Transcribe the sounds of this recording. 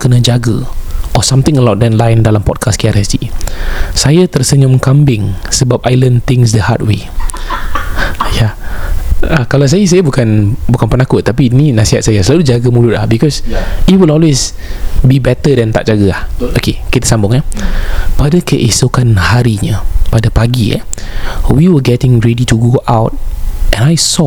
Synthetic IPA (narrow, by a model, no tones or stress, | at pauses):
kənə̃d͡ʒaɡəʔɔsãmt̪ɪ̃ŋəlawt̚dɛnlajndalampɔ̰t̚kʰaskiaɾɛsti | sajat̪ərsəɲʊmkambɪŋsəbap̚ajlənt̪ɪŋs̬dəha̰t̚we | ja | akalas̬ajas̬ajabukanbukanpənakʊt̪ːapininasiɦat̪̚sajasəlalud͡ʒaɡəmulʊt̪̚lahbikɔsit̚wilɔlwes | bibɛt̪ədɛ̃nt̪a̰ʔd͡ʒaɡəahʔokekit̪əsambʊŋa | padəkəʔisokanhaɾiɲəpadapaɡia̰ | wiwəɡɛtɪ̃ŋɹɛdituɡoʔawt̚ʔɛ̃najsɔ